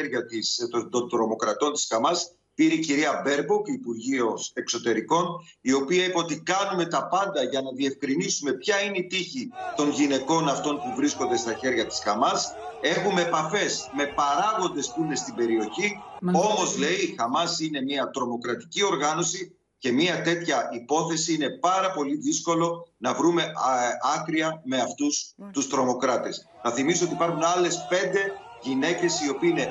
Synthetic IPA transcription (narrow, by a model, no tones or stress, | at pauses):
ɾʝɐt̪ist̪od̪ond̪ɾo̞mo̞kɾɐt̪o̞nt̪iskɐmɐs | piɾiciɾiɐbe̞ɾbokiːpuɾʝiose̞kso̞t̪e̞ɾiko̞n | io̞piɐipɐo̞t̪ikɐnume̞t̪ɐpɐnd̪ɐʝɐnɐðie̞fkɾinisume̞pçɐineit̪içit̪o̞nʝine̞ko̞nɐft̪o̞npuvɾisko̞nd̪e̞st̪ɐçe̞ɾʝɐt̪iskɐmɐse̞xumepɐfe̞sme̞pɐɾɐɣo̞nd̪e̞spuine̞st̪ibe̞ɾio̞çi | o̞mo̞zle̞ixɐmɐsine̞miɐt̪ɾo̞mo̞kɾɐt̪i̥cio̞ɾɣɐno̞si | ce̞miɐt̪e̞t̪çɐʔipo̞θe̞siine̞pɐɾɐpo̞liðisko̞lo̞nɐvɾume̞ɐkɾiɐme̞ɐft̪ust̪ust̪ɾo̞mo̞kɾɐt̪e̞s | nɐθimisoot̪ipɐɾxunɐle̞spe̞nd̪e̞ | ʝine̞ce̞sio̞pine̞